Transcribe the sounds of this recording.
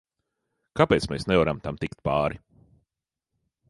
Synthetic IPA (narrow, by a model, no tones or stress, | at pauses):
kapeːt̪smeːsnɛvaɾamt̪amt̪ikt̪paːɾi